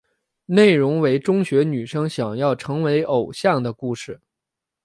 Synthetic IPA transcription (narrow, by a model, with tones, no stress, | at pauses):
ne˥˩ɪɻʊ˧˥ŋwe˧˥ɪʈ͡ʂʊ˥ŋɕɥɛ˧˥ny˨˩ʂɤ˥ŋɕjɑ˨˩ŋjɑ˥˩ʊʈ͡ʂʰɤ˧˥ŋwe˧˥ɪʔo˨˩ʊɕjɑ˥˩ŋd̪ə˩ku˥˩ʂɻ̩˨˩